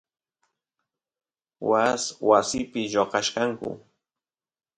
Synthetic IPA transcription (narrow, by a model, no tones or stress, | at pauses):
waswasɪpɪʎoqɑʃkaŋkʊ̰